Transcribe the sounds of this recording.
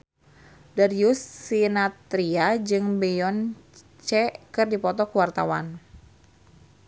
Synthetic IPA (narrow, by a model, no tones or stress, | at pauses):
darijusːinat̪ɾiad͡ʒɨŋbɛjɔn | t͡ʃɛkɨrdipɔt̪ɔkuwart̪a̰wa̰n